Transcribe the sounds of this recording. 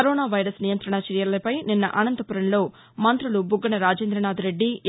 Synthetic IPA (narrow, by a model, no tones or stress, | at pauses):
ɐɾoːnaːʋɐjɾɐsnijɐnt̪ɾɐɳɐt͡ʃɐɾjɐlːɐpɐjninːɐ̰ʔɐnɐnt̪ɐpuɾɐnlo̞ː | mɐnt̪ɾulubʱuɡːɐɳɐɾaːd͡ʒeːnd̪ɾɐnaːd̪uɾe̞ɖːi